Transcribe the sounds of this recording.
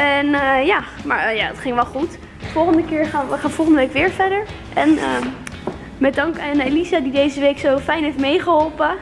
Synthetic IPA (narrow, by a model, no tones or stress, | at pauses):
ɛnjaːma̰ːɹjaːdɔtχɪŋʋɛlˠχut | fɔlˠχəndəkɪːɹχaːnəχaːnfɔlˠχəndəʋejkʋɪːɹvɛdəɹ | ʔɛnə | mɛdɑŋkanelizadidejzəʋejksowfɛjnɦejftmejχəɦɔlˠpə